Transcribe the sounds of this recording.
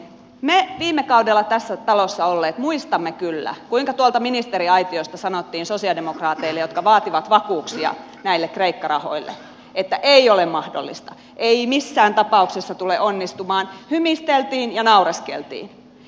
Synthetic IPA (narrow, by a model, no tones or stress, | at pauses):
meʋiːmːekɑudelːɑt̪æsːæt̪ɑlosːɑolːeːt̪muist̪ɑmːekylːæ̰kuiŋkɑt̪uɑlt̪ɑminist̪eɾiɑit̪iost̪ɑsɑnot̪ːiːnsosiɑldemokrɑːt̪eilːejot̪kɑʋɑːt̪iʋɑt̪ʋɑkuːksiɑ̰ | næilːekreikːɑrɑho̰ilːḛ | ʔet̪ːæʔeiolemmɑhdo̰lːḭst̪ɑ | ʔeimisːæːnt̪ɑpɑuksesːɑt̪uleʔonːist̪umɑːnhymist̪elt̪iːnjɑnɑureskḛlt̪ḭːn